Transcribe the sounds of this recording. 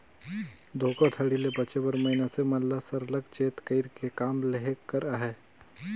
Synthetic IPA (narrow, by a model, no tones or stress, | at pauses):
d̪ʱoːkət̪ʰəɽilebəːt͡ʃebəɾməɦinaseməlːasəɾləkt͡ʃeːt̪kəɪɾkekaːmleɦekːəɾaɦɛ